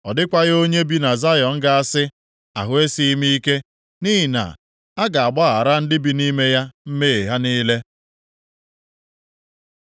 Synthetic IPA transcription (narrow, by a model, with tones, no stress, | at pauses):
ɔ˨dɪ˦kʷa˦ɣo˦ɲe˦bi˦na˨za˦jɔ˨ŋ̩˦ɡa˦a˦sɪ˦ | a̰˨ɦʊ˨˦e˦si˦i˦mi˦i˦ke˦ | ni˦ɦi˨na̰˨ | a˦ɡa˨a˨ɡ͡bɔ˦ɣa˨ɾa˦n̩˦dɪ˦bi˨ni˦me˦ja˦m̩˦me˦e˨ɦa˦niː˦le˦